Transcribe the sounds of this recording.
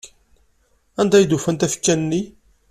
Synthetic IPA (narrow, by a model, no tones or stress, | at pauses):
ænd̪æjd̪ufænt̪æfə̥t͡ʃːænnːi